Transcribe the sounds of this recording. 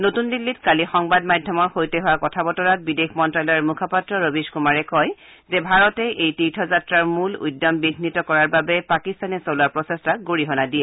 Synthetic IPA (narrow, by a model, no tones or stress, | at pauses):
notundilːitkalixɔŋbadmadʱjɔmɔɹxojtɛɦʊwakɔtʰabɔtɔɹat̚bidexʰmɔntɹalɔjɔɹmukʰapatːɹɔɹobiskumaɹɛkɔj | zɛbʱaɹɔtɛʔejtitʰɔzatɹaɹmulṵjdːɔmbiɡʱnitɔkɔɹaɹbabɛpakistanɛsolaɹpɹɔsestaɡoɹiɦɔnadiɛ